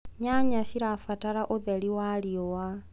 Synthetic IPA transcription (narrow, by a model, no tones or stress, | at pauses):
ɲaɲaʃiɾafataɾaʔoðeɾiwaliowa